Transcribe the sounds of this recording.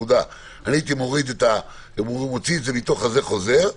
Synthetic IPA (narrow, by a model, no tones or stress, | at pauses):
ud̪a | aniit̪imo̞ʁid̪et̪a | emoʁimot͡sietzebit̪o̞χaze̞χo̞ze̞ʁ